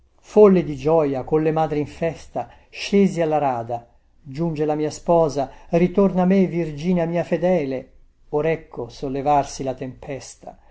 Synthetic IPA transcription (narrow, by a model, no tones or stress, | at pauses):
folːed̪id͡ʒɔjakonlːemaːd̪ɾiɱfɛst̪a | ʃeːzialːaɾaːd̪a | d͡ʒund͡ʒelamiːaspɔːzarit̪ornamevird͡ʒiːneamiːafed̪ɛːle | oɾɛkʰːosolːevarsilat̪empʰɛst̪a̰